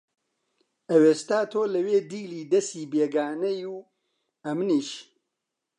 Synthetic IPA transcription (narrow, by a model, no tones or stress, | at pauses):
ɐweːst̪aːt̪ʰoːlɐweːd̪iːliːd̪ɐsiːbeːɡaːnɐjuː | ɐmniːʃ